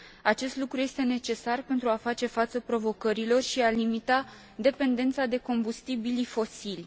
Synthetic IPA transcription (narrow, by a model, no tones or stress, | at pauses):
at͡ʃe̞st̪lukɾuje̞st̪e̞ne̞t͡ʃe̞sarpe̞nt̪ɾuafat͡ʃe̞fat̪səpɾo̞vo̞kəɾilo̞rʃialimit̪a | d̪e̞pe̞nd̪e̞nt̪sad̪e̞ko̞mbust̪ibilifo̞silʲ